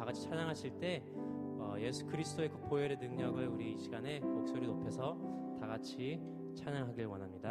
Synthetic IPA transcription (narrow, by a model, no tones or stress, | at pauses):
aɡat͡ɕʰi̥t͡ɕʰaɲaŋɦaɕʰiɭt͈e̞ | ʌje̞sʰu̥kɯɾisʰɯd͈oekɯpoeɾenɯŋɲʌɡɯɭuɾiɕʰiɡane̞mok̚s͈oɾinopʰe̞sʰʌtaɡat͡ɕʰi | t͡ɕʰaɲaŋɦaɡiɭwʌnɦamɲida